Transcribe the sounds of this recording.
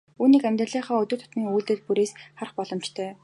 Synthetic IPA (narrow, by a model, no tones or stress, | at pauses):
uːniːkæmʲt̪rə̆ɮiːχɔːɵt̪ʊ̆ːt̪ʰʊ̥t̪miːŋuːɮt̪ɘ̆t̪̚puɾeːsχar̆χpɔɮɞ̆mt͡ɕt̪ʰœː